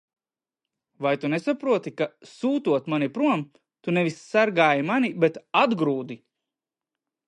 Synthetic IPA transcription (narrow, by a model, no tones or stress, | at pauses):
vajt̪unesapɾuɔt̪ikasuːt̪uɔt̪manipɾuɔm | t̪unɛvisːaɾɡaːjimanibet̪ad̪ɡɾuːd̪i